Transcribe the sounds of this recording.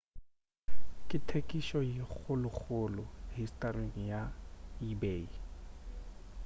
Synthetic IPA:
kʼɪtʰekʼiʃɔjɪk͡xʰʊlʊk͡xʰʊlʊɦistʼarweŋ̩jaibeːi

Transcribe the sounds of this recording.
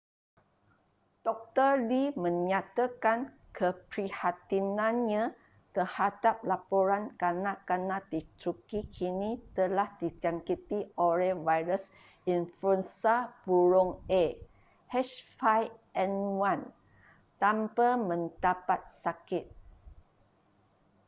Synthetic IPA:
d̥ɔk̚t̪ərlimə̃ɲãt̪akan | kəpɾihat̪inãnɲã | t̪ərhadap̚lapoɾankanãkanãdit̪ɾukikʰinĩt̪əlahdid͡ʒaŋkit̪iolɛvajɾəs | infuənsab̥uɾɔŋe | hɛʃfajɛnwan | t̪ampəmə̃nt̪apat̪̚sakɪt̪̚

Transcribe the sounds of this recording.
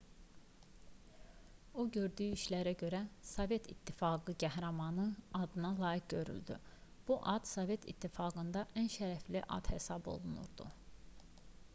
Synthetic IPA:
oɟø̞ɾd̪yːiʃlæɾæɟø̞ɾæsove̞t̪ʰḭt̪ʰːifɑːɡɯɟæɦɾɑmɑnɯɑd̪ɯnɑlˠɑːjikɟø̞ɾy̰ld̪y̰b̥uʔɑd̪̥sove̞t̪ʰḭt̪ʰːifɑːɡɯnd̪ɑʔænʃæɾæfliʔɑ̰d̪̥he̞sɑbo̞̰lˠunṵɾd̪ṵ

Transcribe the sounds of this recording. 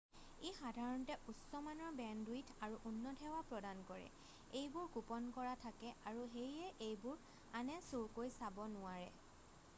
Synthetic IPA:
exadʱaɹɔntɛʔusɔmanɔɹbɛnduitʰaɹuʔunːɔtʰɛwapɹɔdankɔɹɛ̰ | ejbʊɹɡupɔnkɔɹatʰakɛʔaɹuɦejɛʔejbʊɹ | anɛsuɹkojsabɔnʊaɹɛ

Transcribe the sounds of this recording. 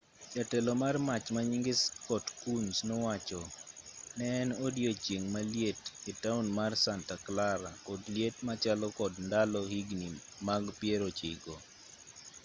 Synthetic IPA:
t͡ʃatɛlɔmarmat͡ʃmaɲiŋɡɪskɔtkunsnɔwat͡ʃɔ | nɛnodjot͡ʃjeŋmaljetɪtaunmarsantaklaɾakɔdljetmat͡ʃalɔkɔdndalɔhiɡni | maɡpjeɾot͡ʃɪɡo

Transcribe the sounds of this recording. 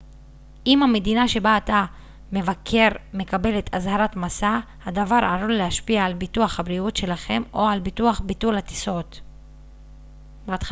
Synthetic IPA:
ʔimhame̞d̪inaʃe̞baːta | me̞vakʰe̞ʁme̞kabe̞le̞t̪ʰazhaɾatmasa | hadavaɾaɾonlehaʃpiaːlbituaχhabɾiutʃe̞laχe̞mo̞albituaχbitulhat̪i̥so̞t̪ | beatχ

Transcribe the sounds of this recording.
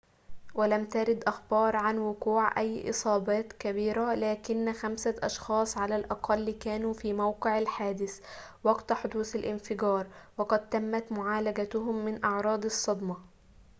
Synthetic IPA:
walæmt̪aɾɪd̪ʔɑxbɑːɾˤʕanwʊquːʕʔæjːʔɨ̰sˤɑːbɑːt̪kæbiːɾælæːkɪnːxæmsaʔɑʃxɑːsˤʕalælʔɑqʰɑlːkæːnuːfiːmawqɨʕalħaːd̪ɪθwɑɡt̪ħʊd̪uːθalʔɪnfɪɡɑːɾˤwɑqɑd̪̚t̪æmːæt̪mʊʕaːlæɡat̪ʊɦʊmːɪnʔɑʕɾˤɑːd̪ˤɑsˤːɑd̪mɑ

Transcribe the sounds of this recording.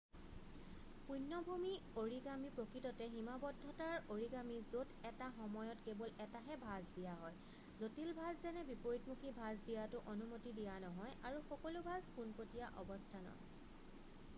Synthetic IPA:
punːɔbʱumi | oɹiɡamipɹokɹitɔtɛɦimabɔdʱːɔtaɹoɹiɡamizodɛtaxɔmɔjɔtkebɔlɛtaɦɛbʱazdijaɦɔj | zotilbʱazzɛnɛbipoɹitmukʰibʱazdijatʊʔonumotidijanɔɦɔjaɹuxɔkɔlʊbʱazpunpɹotijaʔɔbɔstʰanɔ̰ɦɔ̰j

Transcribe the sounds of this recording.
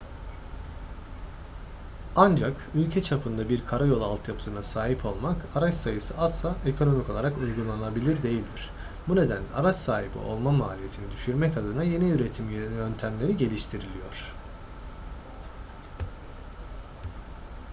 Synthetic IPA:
and͡ʒak | ylʲcʰɛt͡ʃʰapʰɯnd̪abiɾkʰaɾajo̞lˠalˠt̪ʰjapʰɯ̥sɯnasaːɦipʰo̞lˠmakaɾat͡ʃsajɯsɯʔaslˠaʔekʰo̞no̞miko̞lˠaɾakujɡulˠanɯnabilʲiɾd̪e̞jilʲd̪iɾ̥ | bune̞d̪ænlʲɛ̰aɾat͡ʃsaːɦibḭʔo̞̰lˠmamaːlʲije̞t̪ʰinid̪yʃyɾmɛcad̪ɯnaje̞niyɾe̞t̪ʰimjø̞nt̪ʰæmlʲe̞ɾiɟe̞lʲiʃt̪ʰiɾilʲijo̞ɾ̝̥

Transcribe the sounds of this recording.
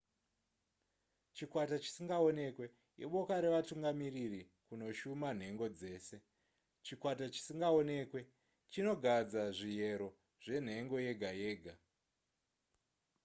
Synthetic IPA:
t͡ʃikwatat͡ʃi̥siŋɡao̞ne̞kwe̞ | iɓo̞kaɾe̞ʋatuŋɡamiriri | kuno̞ʃuman̤e̞ŋɡo̞d͡ze̞ːse̞ | t͡ʃikwatat͡ʃi̥siŋɡao̞ne̞ːkwe̞ | t͡ʃino̞ɡʱad͡zaʐije̞ɾo̞ | ʐ̥e̞n̤e̞ŋɡo̞je̞ɡʱaje̞ːɡʱa

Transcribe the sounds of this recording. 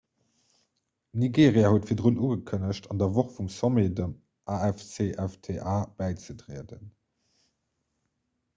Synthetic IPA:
niɡeːʁiaːhuətfiɐdʁunuːɡəkʰənəʃtʰɑndɐvoχfumsomedəm | ʔaɛft͡seːʔæftʰeʔaːb̥æɪt͡sədʁḭədə̰n

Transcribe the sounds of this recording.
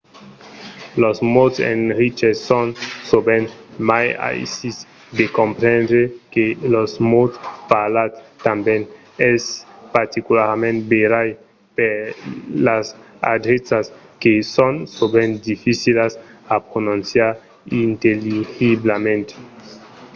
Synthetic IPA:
losmotsḛnɾit͡ʃesonsobenmaja̰jsis | d̪ekompɾẽndɾekelosmotpalatt̪ambɛn | ɛspaɾt̪ikulaɾmẽnt̪beɾaj | peɾlas | a̰d̪ɾesaskesonsobend̪ifisilasapɾonũnsjaɾ | int̪eliɣiblamẽnt̪e̥

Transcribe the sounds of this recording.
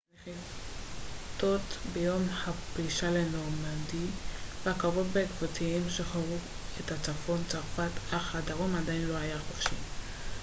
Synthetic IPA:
neχi | t̪o̞t̪bejo̞mhapʁiʃalenoʁmadiveakavotbekvot̪ʰiimʃeχaʁu | etat͡safo̞nt͡saʁfataχhadaʁomadainlo̞ajaχofʃi

